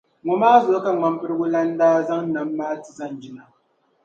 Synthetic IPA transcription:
ŋɔ˨maː˦zʊ˨˦ka˦ŋ͡ma˦m˦pɨ˦ɾɨ˦ɡʊ˦la˦n˦daː˦za˦ŋ˦na˨mː˦aː˦tɨ̥˨za˦n˨d͡ʒi˦na˨

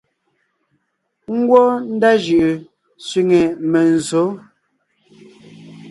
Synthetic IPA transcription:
ŋ̩˦ɡwɔ˦n̩˦da˦ʒɯ˨ʔɨ˨ | sɥi˨ŋe˨me˨n̩˨zo˨˦

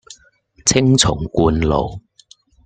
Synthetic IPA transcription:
t͡sʰɪ˥ŋt͡sʰʊ̰˨˩ŋkuː˧nlo̰˨˩w

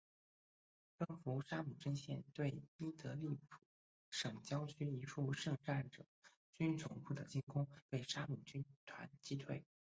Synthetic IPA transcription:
pə˥˩ŋfu˧˥ʂa˥mu˨˩ʈ͡ʂə˥nɕjɛ˥˧nt̪we˥˩ɪi˥t̪ɤ˧˥li˥˩pʰu˨˩ | ʂɤ˨˩ŋt͡ɕjɑ˥ʊt͡ɕʰy˥i˧˥ʈ͡ʂʰu˥˧ʂɤ˥˧ŋʈ͡ʂa˥˩nʈ͡ʂɤ˨˩˦ | t͡ɕy˥nt͡sʰʊ˧˥ŋpʰu˥˩d̪ə˩t͡ɕi˥˩nkʊ˥ŋpe˥˩ɪʂa˥mu˨˩t͡ɕy˥nt̪ʰwa̰˧˥nt͡ɕi˥t̪ʰwe˥˩ɪ

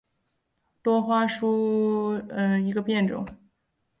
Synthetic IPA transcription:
t̪wɔ˥xwa˥ʂu˥ | ə˧i˧˥ɡə˧pjɛ˥˩nʈ͡ʂʊ̰˨˩˦ŋ

